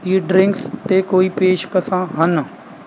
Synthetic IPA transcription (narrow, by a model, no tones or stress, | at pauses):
jiɖɾɪ̃ŋkst̪ekoːipeːʃkəsãːɦɐn